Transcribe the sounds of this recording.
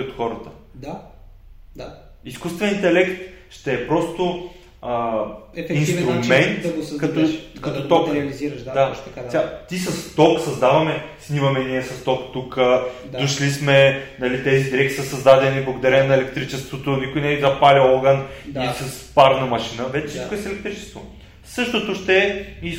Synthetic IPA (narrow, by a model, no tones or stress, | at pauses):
ot̪xɔɾət̪ə | d̪ | iskust̪vɛnint̪ɛlɛkt̪ʃt̪ɛːpɾɔst̪o | əɛinsɾumɛnt̪ɡkɐt̪okɐt̪ɔt̪ɔkɾɛɐliziɾʃd̪asʲat̪isɐst̪ɔksɐzd̪avɐmɛsnimɐmɛniəsɐst̪ɔkt̪ukə | dd̪oʃlismɛnɐlit̪ɛzid̪iɾɛk̚t̪i̥səsɐzd̪ad̪ɛniblˠɐɡod̪ɐɾɛnɐɛlɛkt̪ɾit͡ʃɛst̪vot̪onikʊjnɛvizɐpalʲiɔɡənisɐspaɾnɐmɐʃinəvɛt͡ʃɛ̥sit̪koɛsɛlɛk̚t̪ɾit͡ʃɛ̥st̪vo | sɤʃt̪ot̪oʃt̪ɛːi